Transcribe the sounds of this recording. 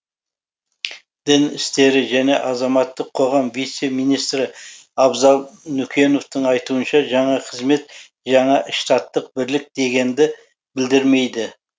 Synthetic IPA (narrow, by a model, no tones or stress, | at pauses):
d̪̥ɪnɪst̪e̞ɾɪʒæne̞̰ʔɑzɑmɑt̪ːəqʰːo̞ʁɑmvijt̪semijnijst̪ɾɪ | ɑbzɑlˠnʏkʲe̞no̞ft̪əɴɑjt̪uənʃɑʒɑɴɑqʰəzme̞t̪ | ʒɑɴɑʔɪʃt̪ɑt̪ːəq̚bɪɾlɪk̚d̪e̞ɡʲe̞nd̪ɪ | bɪld̪ɪɾme̞jd̪ɪ